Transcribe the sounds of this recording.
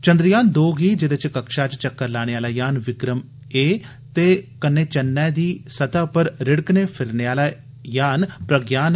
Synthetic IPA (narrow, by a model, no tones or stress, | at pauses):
t͡ʃə̃nd̪ɾɪjaːnd̪oːɡiːd͡ʒɪd̪et͡ʃkəkʃaːt͡ʃt͡ʃəkːəɾlaːɽ̃eːaːlaːjaːnʋɪkɾəm | eː | t̪eːkənːeːt͡ʃənːɛːd̪iːsət̪aːpəɾɾɪɽkneːpʰɪɾneːaːlaː | jaːnpɾəɡjaːn